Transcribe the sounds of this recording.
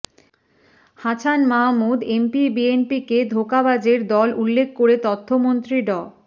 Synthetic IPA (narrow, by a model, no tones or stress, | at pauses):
hat͡ɕʰanmamud̪empibienpiked̪ʱokabad͡ʑeɾd̪ɔlulːekʰkoɾet̪ɔt̪ʰːomont̪ɾiɖɔ